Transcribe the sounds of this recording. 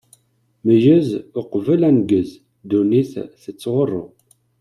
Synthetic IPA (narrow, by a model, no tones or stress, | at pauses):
məʒəzʊqvəlænɡəz | d̪uniθθət͡sːʁorˤːo̰